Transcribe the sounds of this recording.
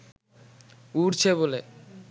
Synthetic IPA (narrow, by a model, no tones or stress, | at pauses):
uɾt͡ɕʰeβole